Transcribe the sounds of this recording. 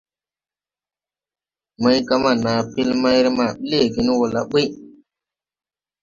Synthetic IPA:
ma˦jɡa˦ma˨na˨pi˦lma˦jɾma˨ɓi˦le˦˨ɡi˨n˦wo˨la̰˨ɓi˦

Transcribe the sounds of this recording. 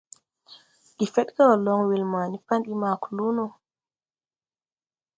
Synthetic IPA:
ɗi˨fɛ˦ɗka˦wɔ˨lɔ˦ŋwi˨lmaː˨ni˦pa˦nɗi˦ma˨kulu˦nɔ˨

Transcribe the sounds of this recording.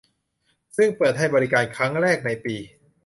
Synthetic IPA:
sɯ˥˩ŋpɤː˨˩t̪̚ɦa˥˩jbɔː˧ɾi˦˥kaː˧nkʰɾa˦˥ŋɾɛː˥˩k̚na˧jpiː˧

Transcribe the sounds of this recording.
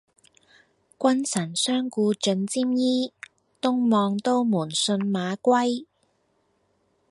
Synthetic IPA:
kʷɐ˥nsʰɐ˨˩nsœː˥ŋkuː˧t͡ʃɵ˨˧nt͡siː˥mjiː˥ | t̪ʊ˥ŋmɔː˧ŋt̪o˥wmuː˨˩nsɵ˧nmaː˨˧kʷɐ˥j

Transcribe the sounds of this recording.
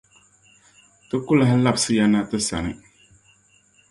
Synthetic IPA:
tɨ˦kʊ˦la˦hla˦bsɨ˦ja˦na˦tɨ˦sa̰˨nɨ˨

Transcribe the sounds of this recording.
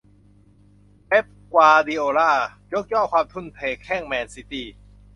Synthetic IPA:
ʔe˦˥p̚kwaː˧diː˧ʔoː˧ɾaː˥˩jo˦˥k̚jɔː˥˩kʰwaː˧mt̪ʰu˧˥˨npʰeː˧˩kʰːɛː˥˩ŋmɛː˧nsi˦˥t̪iː˧˩

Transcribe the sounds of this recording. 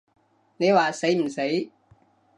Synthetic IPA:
ne˨˧jwaː˨se˨˥jm̩˨˩se˨˥j

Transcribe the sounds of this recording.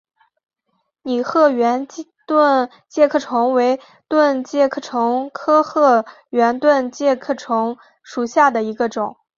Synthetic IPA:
ni˨˩xɤ˥˩ɥɛ˧˥n˥t̪wə˥˧n | t͡ɕjɛ˥˧kʰɤ˥˩ʈ͡ʂʰʊ˧˥ŋwe˧˥ɪ | t̪wə˥˧nt͡ɕjɛ˥˧kʰɤ˥˩ʈ͡ʂʰʊ˧˥ŋkʰɤ˥xɤ˥˩ | ɥɛ˧˥nt̪wə˥˧nt͡ɕjɛ˥˧kʰɤ˥˩ʈ͡ʂʰʊ˧˥ŋ | ʂu˨˩ɕja˥˩d̪ə˩i˧˥ɡə˧ʈ͡ʂʊ˨˩˦ŋ

